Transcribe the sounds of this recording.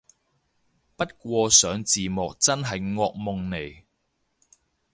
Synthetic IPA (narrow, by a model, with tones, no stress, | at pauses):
pɐ˥t̚kʷɔː˧sœː˨˥ŋt͡siː˨˩mɔː˨k̚t͡sɐ˥nɦɐ˨jŋɔː˧k̚mʊ˨ŋne˨˩j